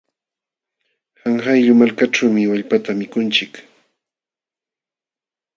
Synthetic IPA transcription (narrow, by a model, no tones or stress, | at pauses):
haŋhajʎʊmalkaʈ͡ʂawmɪwaʎpat̪amɪkʊnt͡ʃɪk